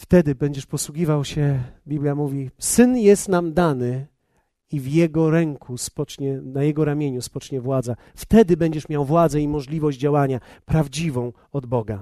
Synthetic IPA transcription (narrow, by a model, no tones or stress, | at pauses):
ft̪ɛd̪ɘbɛɲd͡ʑɛʂpɔswuɡʲivawɕɛbʲiblʲjamuvʲisɘnjɛst̪namd̪anɘ | ivjɛɡɔɾɛŋkuspɔt͡ʂɲɛnajɛɡɔɾamʲjeɲuspɔt͡ʂɲɛvwad̪za | ft̪ɛd̪ɘbɛɲd͡ʑɛʂmʲjawvwad̪zɛimɔʐlʲivɔʑd͡ʑd͡ʑawaɲapɾavd͡ʑivɔ̃w̃ | ɔd̪bɔɡa